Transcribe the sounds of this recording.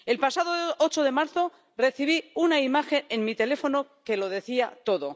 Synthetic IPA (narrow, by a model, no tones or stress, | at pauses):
e̞lpasaðoot͡ʃoðe̞maɾθo̞ | re̞θiβ̞iunaimaxe̞nenmit̪e̞le̞fo̞no̞ke̞lo̞ðe̞θiat̪o̞ðo